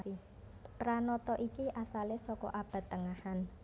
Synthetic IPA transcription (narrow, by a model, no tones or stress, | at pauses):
i | ɾanɔt̪ɔʔikiʔasalesɔkɔ̰ʔab̥ä̤t̪ːəŋahan